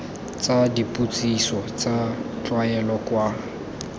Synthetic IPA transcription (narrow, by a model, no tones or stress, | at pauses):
t͡sʼadipʼut͡sʼisɔt͡sʼat͡ɬʼwaɛlɔkwa